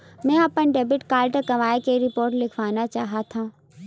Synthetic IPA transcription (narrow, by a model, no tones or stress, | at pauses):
mɛ̃ːɐpənɖeːbɪʈkaːlʈəkɐʋaːekeɾɪpoːɾʈlɪkʰʋaːnat͡ʃaːɦat̪ʰũː